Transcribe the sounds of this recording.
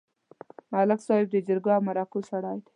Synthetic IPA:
malɪksɑhɪb̚d̪əd͡ʒəɾɡawmaɾɑkusaɽɑːjd̪e̥

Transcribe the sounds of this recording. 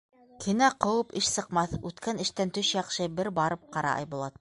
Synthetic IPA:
kʰɘ̆næqɤ̆wɤpɘʃsɤ̆qmɑθʉt̪kænɘ̆ʃt̪ænt̪ɵʃjɑqʃɤbɘɾbɑɾɤp̚qɑɾɑ̰ʔɑ̰jbŭlˠɑt̪̚

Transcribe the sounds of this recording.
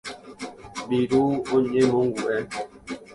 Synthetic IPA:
biɾuoɲemoŋɡuʔɛ

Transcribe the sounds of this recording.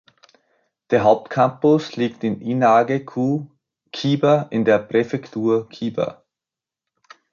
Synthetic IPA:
d̥eːɐɦaʊp̚tkʰampʊsliːktɪninaːɡekʰuː | kʰiːbɐʔɪndeːɐpʁ̥efɛktʰuːɐkʰiːbɐ̰

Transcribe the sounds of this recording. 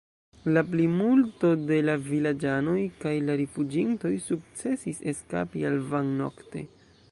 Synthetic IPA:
lap̬limulto̞de̞lavilad͡ʒano̞jkajlaɾifud͡ʒinto̞jsuk̚t͡se̞sise̞ska̰pialvaŋno̞̰kte̞̰

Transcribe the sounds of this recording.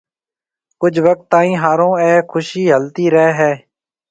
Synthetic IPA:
kʊd͡ʒʰʋək̚t̪ːãːĩːɦaːɾõːɛːkʰʊʃiːɦəlt̪iːɾɛɦɛːɦɛː

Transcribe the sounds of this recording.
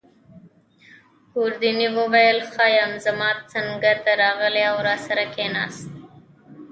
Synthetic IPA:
huɾd̪iniwəwajəlxɑjamzamɑːt̪̚saŋɡaɾt̪aɾɑɣəleawɾɑsaɾakenɑ̰ːst̪̚

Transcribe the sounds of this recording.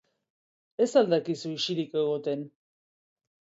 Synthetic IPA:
e̞sald̪akisuiʃiɾikeɣ̞o̞t̪e̞n

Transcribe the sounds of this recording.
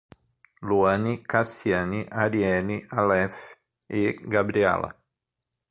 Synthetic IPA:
luanikast̪janiʔaɾiɛnialɛf | eɡabɾiɛ̰la̰

